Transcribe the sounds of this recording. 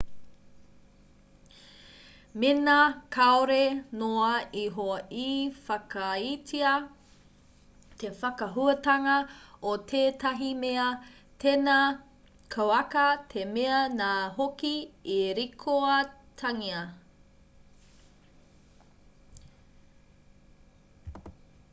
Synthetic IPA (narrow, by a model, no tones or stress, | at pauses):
menɐkʰaoɾenoɐiɦoɐʔifɐkɐitʰiɐ | t̪ʰefɐkɐɦuɐtɐŋɐot̪ʰeːtʰɐɦimeɐ | tʰena | kʰowɐkɐtʰemeɐnaːɦokiiɾikʰoɐtʰɐŋiɐ